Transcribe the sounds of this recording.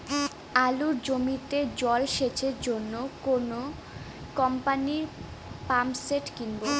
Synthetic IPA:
aluɾd͡ʑomit̪ed͡ʑɔlʃet͡ɕʰeɾd͡ʑonːokono | kɔmpaniɾ | pamseʈkinbo

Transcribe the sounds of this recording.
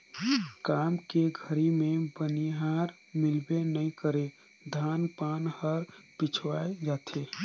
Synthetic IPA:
kaːmkeɡʱəɾimẽbəniɦaɾ | mɪlbenəikəɾe | d̪ʱaːnpaːnhəɾpɪt͡ʃʰwaed͡ʒaːt̪ʰe

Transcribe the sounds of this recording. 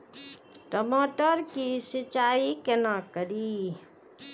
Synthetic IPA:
ʈəmoʈəɾkisɪt͡ʃaikenakəɾi

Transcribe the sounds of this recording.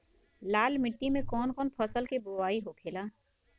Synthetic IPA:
laːlmɪʈːimẽkɔːnkɔːnpʰəsəlkeboaːiɦokʰeːlaː

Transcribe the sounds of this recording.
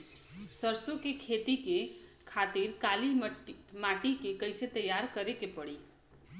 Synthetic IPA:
səɾsokekʰet̪ike | kʰat̪iɾkalimaʈikekəɪset̪əjaɾkəɾekepəɽi

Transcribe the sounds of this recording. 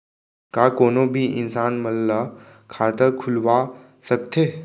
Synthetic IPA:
kaːkoːnõbʱiʔɪ̰nsaːnməlːə | kʰaːt̪əɾkʰʊlʋa | səkt̪ʰeː

